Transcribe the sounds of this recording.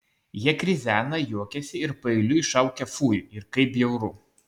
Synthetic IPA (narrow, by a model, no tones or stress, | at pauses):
jiɛkɾʲɪzʲæːnɐjuɔkʲɛsʲɪɪɾpɐɪlʲʊɪʃɐʊkʲɛfuːjʊɪɾkɐɪpʲjɛʊɾʊ